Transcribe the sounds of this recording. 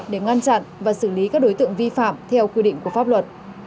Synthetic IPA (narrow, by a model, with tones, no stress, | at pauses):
ɗe˧˩ŋa˧nt͡ɕa̰˧˨nvaː˨˩sɨ˧˩li˨˦kaː˦˥k̚ɗo˨˦jt̪ɨ̰˧˨əŋvi˧fa̰ː˧˨mt̪ʰɛ˧wkwi˧ɗḭ˧˨ŋ̟ku˧˩əfaː˦˥p̚lwə˨˩t̚